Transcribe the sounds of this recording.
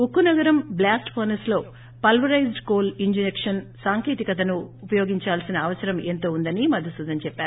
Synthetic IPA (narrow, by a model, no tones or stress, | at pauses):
ukːunɐɡɐɾɐmblaːsʈpɐɾnɐslo̞ː | pɐlʋɐɾɐjzɖkoːliɲd͡ʒinekʂɐnsaːŋkeːt̪ikɐt̪ɐnuːpɐjoːɡiɲt͡ʃaːlsinɐːʋɐsɐɾɐmeːnt̪o̞ːund̪ɐnimɐd̪ʱːɐsud̪ʱɐnt͡ʃɛpːaːɾuu